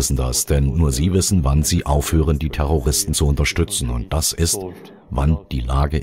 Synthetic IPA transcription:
ɪsn̩da̰sd̥ɛnːuːɐziːvɪsn̩vanziːʔaʊfhøːʁəndiːtʰɛʁ̞oʁ̞ɪstn̩t͡suʊntɐʃtʏt͡sn̩ʊ̰nt̚d̥asɪst | vand̥iːlaːɡə

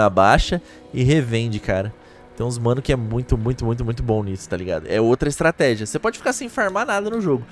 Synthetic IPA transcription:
abaʃɐ | ɪɦevẽd͡ʒɪkaɾɐ | t̪ẽw̃zmɐ̃nʊkɪɛmũj̃t̪ʊmũj̃t̪ʊmũj̃t̪ʊmũj̃t̪ʊbõnisʊ̥t̪aliɡa̰d̪ʊ̰ʔɛowt̪ɾɐɪst̪ɾat̪ɛʒiɐsepɔd͡ʒɪfi̥kasẽj̃faɾmanad̪ɐnʊʒoɡʊ

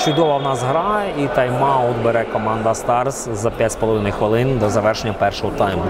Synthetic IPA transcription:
t͡ʃʊd̪ɔʋɐʋnɑzɦɾɑjɛit̪ɐjmɑɔd̪beɾɛkɔmɑnd̪ɐst̪ɑrszɐpʲjatʲspɔlˠɔʋɪnʊjxʋɪlˠɪnd̪ɔzɐʋɛrʃenʲːɐpɛrʃɔɦɔt̪ɑjmʊ

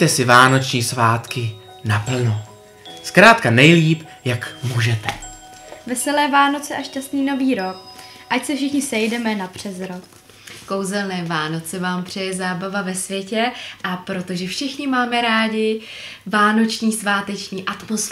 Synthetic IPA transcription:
t̪ɛsɪvaːno̞t͡ʃɲiːsvaːt̪kɪ | napl̩no | skɾaːt̪̚kanɛjliːp | jakmuːʒɛt̪ɛ | vɛsɛlɛːvaːno̞t͡sɛʔaʃcast̪niːno̞viːɾo̞k̚ | ʔacsɛfʃɪxɲɪsɛjdɛmɛnapr̝̥ɛzɾok | ko̞wzɛlnɛːvaːno̞t͡sɛvaːmpr̥ɛjɛzaːbavavɛsvjɛcɛʔapɾo̞t̪o̞ʒɛfʃɪxɲɪmaːmɛɾaːɟɪ | vaːno̞t͡ʃɲiːsvaːt̪ɛt͡ʃɲiːʔat̪mosf

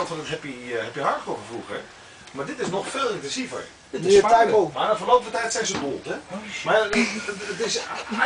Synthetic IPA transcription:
nˠtfɔndɪtɦɛpjəɦɛpjəɦɑɹtəχɔχəfruχɛ | maːɹdɪtɪsnɔχfeːlˠɪntɛnsivə̰r | dɪɛomanafəlowpəvətɛjtsɛjnzədolˠtɛma | ətɪs

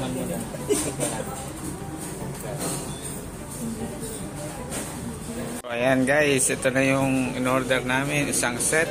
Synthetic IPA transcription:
ajanɡajsit̪onajʊŋɪnɔɾd̪ɛɾnaːmɪnisaŋsɛt̪̚

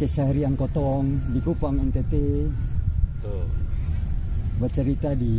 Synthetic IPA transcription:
kɛsaɾiaŋkɔt̪ɔŋdikupaŋɛnt̪et̪e | bət͡ʃəɾit̪adi

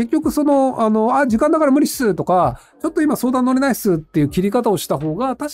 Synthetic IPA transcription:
ke̞kʲːo̞kɯ̟so̞no̞ano̞aʑikãnd̪akaɾamɯ̟ɾʲiɕi̥sɨt̪o̞ka | t͡ɕo̞t̪ːo̞imaso̞ːd̪ãnːo̞ɾe̞naisɨt̪ːe̞jɯ̟ːkʲiɾʲikat̪ao̞ɕi̥t̪aɦo̞ːɡat̪aɕ

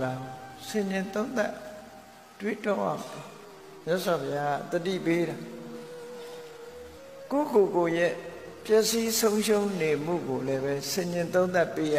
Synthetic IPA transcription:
aɡosɪ̃ɲɪ̃nt̪õʊ̃nt̪aʔ | twḛtoa̰mɔ | mjaʔswapʰɪjaɡa̰t̪ətḭpeɾa | ko̰kokojɛpjɛʔsisõʊ̃ʃõʊ̃nem̥ṵɡolɛbɛsɪ̃ɲɪ̃nt̪̬õʊ̃nt̪apːeja

